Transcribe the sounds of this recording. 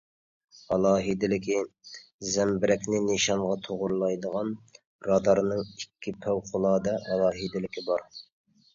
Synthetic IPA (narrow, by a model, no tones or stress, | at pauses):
ɑlˠɑːɦid̪ɪlɪkʲizɛmbɪɾɛkʲnɪneʃɑɴʁɑt̪ʰoʁʊɾlˠɑjd̪əʁɑn | ɾɑd̪ɑɾnɨŋikʲʰːipʰæwqʰʊlˠɑːd̪ɑʔɑlˠɑːɦid̪ɪlɪkʲibɑɾ